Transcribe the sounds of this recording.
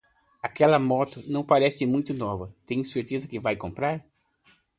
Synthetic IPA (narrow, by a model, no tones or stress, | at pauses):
akɛlɐmɔt̪ʊnɐ̃w̃paɾɛsɪmũj̃t̪ʊnɔvɐt̪ẽj̃seɾt̪ezɐkɪvajkõmpɾaɾ